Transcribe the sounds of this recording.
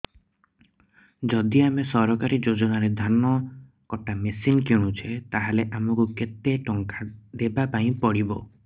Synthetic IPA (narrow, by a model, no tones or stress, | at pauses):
d͡ʒɔd̪iamesɔɾɔkaɾid͡ʒod͡ʒɔnaɾed̪ʱanɔ | kɔʈamesinkeɽ̃ũt͡ʃʰet̪aɦaleʔamɔkuket̪eʈɔŋkad̪ebapaĩpɔɽibɔ